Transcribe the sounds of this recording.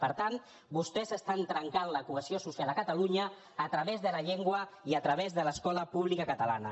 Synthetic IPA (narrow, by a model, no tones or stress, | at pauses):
pəɾt̪an | bust̪ɛzəst̪ant̪ɾəŋkanləkuəziosusialˠəkət̪əluɲəː | t̪ɾəβezðələʎeŋɡwəiət̪ɾəβ̞ezðələskɔləpuβlikəkət̪əla̰nə̰